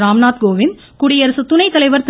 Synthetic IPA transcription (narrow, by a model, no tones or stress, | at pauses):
ɾaːmnaːt̪̚ɡoːʋɪn | kʊɽɪjɐɾsɯt̪ʊnɐɪt̪ːɐlɐɪʋɐɾt̪